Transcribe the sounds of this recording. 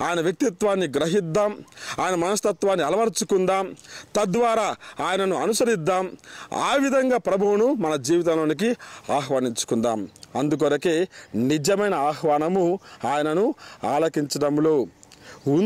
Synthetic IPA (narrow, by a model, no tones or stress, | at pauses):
aːjɐnɐʋjɐk̚t̪it̪ʋaːnːiɡɾɐɦid̪ːaːmaːjɐnɐmɐnɐst̪ɐt̪ʋaːnːiɐlɐʋɐɾt͡ʃukund̪aːmt̪ɐd̪ʋaːɾaːaːjɐnɐnuɐnusɐɾid̪ːaːma̰ːʋid̪ʱɐŋɡaːpɾɐbʱuwunumɐnɐd͡ʒiːʋit̪̬ɐmloːnik̬iaːɦʋaːniɲt͡ʃu̥kund̪aːmɐnd̪uk̬ʋɐɾɐkeːnid͡ʒɐmɐjnɐaːhʋaːnɐmuaːjɐnɐnuaːlɐkiɲt͡ʃɐɖɐmloː | u